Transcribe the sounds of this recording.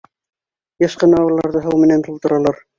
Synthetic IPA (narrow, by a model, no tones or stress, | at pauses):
jɤ̆ʃqɤ̆nɑwɤ̆lˠɑɾðɤɦɤwmɘ̆nænt̪ulˠt̪ɤ̆ɾɑlˠɑɾ